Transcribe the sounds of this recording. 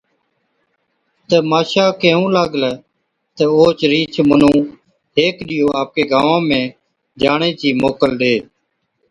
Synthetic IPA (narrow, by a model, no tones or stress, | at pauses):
t̪əmaːʃaːkẽːũːlaːɠlɛː | t̪əoːt͡ʃɾiːt͡ʃʰmənũː | ɦeːkɗɪjoːaːp̚keːɡaːʋãːmẽː | d͡ʒaːɳẽːt͡ʃiːmoːkəlɗeː